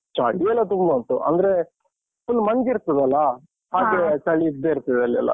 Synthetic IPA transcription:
t͡ʃaɭiɛlːɐt̪umbɐnt̪uɐ̰nd̪ɐɾe | pːulːmɐŋɡiɾt̪id̪ɐlːɐ | haːɡesɐɭiːd̪eːɾt̪ɐd̪ɐlːɐlːɐ̰

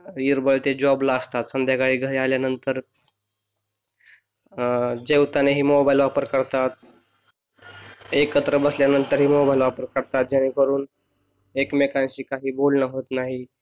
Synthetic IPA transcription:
iɾbəɭt̪ed͡ʑɔblaəst̪at̪sənd̪jaɡaɭiːɡʱəɽialjanənt̪əɾ | d͡ʑewt̪aneɦiːmobailʋapəɾkəɾt̪at̪̚ | ekət̪ɾəbəsljanənt̪əɾɦiːmobailʋapəɾkəɾt̪at̪̚d͡ʑaɽ̃ikəɾuːn | ekmekãnɕiːkaɦiːbolnəɦot̪naɦi

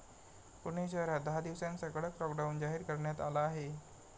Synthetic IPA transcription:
puɽ̃eɕəɾat̪̚d̪əɦad̪iʋsãnsəkəɽɭəklɔkɖawnd͡ʑaɦiːɾkəɾɳjat̪alaːɦe

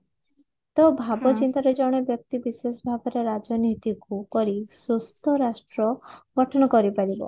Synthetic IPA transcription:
t̪ɔbʱabɔt͡ʃint̪aɾed͡ʒɔɽ̃ebjɔk̚t̪ibisesɔbʱabɔɾeɾad͡ʒɔnit̪ikupɔɾisust̪ɔɾasʈɾɔɡɔʈʰɔɽ̃ɔkɔɾipaɾibɔ̰

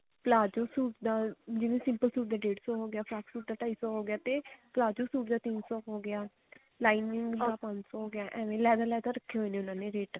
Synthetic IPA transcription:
pəlaːd͡ʒoːsuːʈd̪aːd͡ʒɪʋẽːsɪ̃mpəlsuːʈd̪aːɖeːʈsɔːɦoːɡɪjaːpʰɾaːksuːʈ̚d̪aːʈaːiːsɔːɦoːɡɪjaːt̪eːplaːd͡ʒoːsuːʈd̪aːt̪insɔːɦoːɡɪaː | laːɪnɪ̃ŋɡd̪aːpə̃ɲd͡ʒsɔːɦoːɡɪjaːʔɛ̃ːʋẽːlɛːd̪aːlɛːd̪aːɾəkʰːeːɦõːneːʊnãːnẽːɾeːʈ

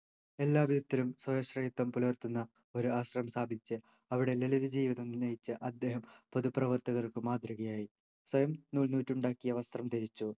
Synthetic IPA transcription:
e̞lːaːbid̪ɐt̪ːilumswɐjɐɕrɐjit̪ːɐmpulɐʋɐrt̪unːɐ | o̞ɾuaːɕrɐmsʰaːbʱit͡ɕːɨ | ɐʋiɽe̞leliðid͡ʑiːʋiðɐmnɐjit͡ɕːɨʔɐd̪ːe̞ːɦɐmpoðuprɐʋɐrt̪ɐɣɐrkɨmaːd̪ruɣɐjaːji | swɐjɐmnuːɭnuːtːuɳɖaːkːijɐʋɐst̪rɐmt̪iɾit͡ɕːu

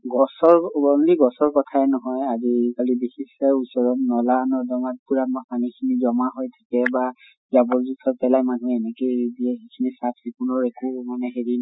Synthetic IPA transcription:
ɡɔsɔɹɔndiɡɔsɔɹkɔtʰaɛnɔɦɔjazikalibixisɛusɔɹɔtnɔlanɔdɔŋat̚puɹat̚mapanikʰinizɔmaɦojtʰḁkɛba | zabɔɹzutʰɔpɛlajmanuɛnɛkejdiɛɦekʰinisatʰikunɔɹekumanɛɦeɹin

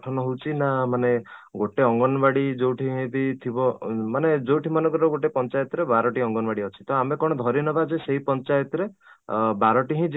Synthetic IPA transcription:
ʈʰɔnɔɦowt͡ʃʰinamaneɡoʈeɔŋɡɔnbaɽid͡ʒowʈʰiɦĩd̪it̪ʰibɔmaned͡ʒowʈʰimanɔ̃ŋɡɾɾɔɡoʈepɔnt͡ʃajɔt̪ɔɾebaɾɔʈiɔŋɡɔnɔbaɽiɔt͡ʃʰi̥t̪ɔamekɔɽ̃ɔd̪ʱɔɾinɔbad͡ʒeseɦipɔnt͡ʃajɔt̪ɾebaɾɔʈiɦĩd͡ʒ

